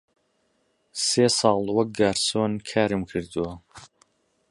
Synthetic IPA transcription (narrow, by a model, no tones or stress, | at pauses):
seːsɑːlˠwɐk̚ɡaːɾsoːnkʰaːɾɨmkʰɨɾd̪ɨwɐ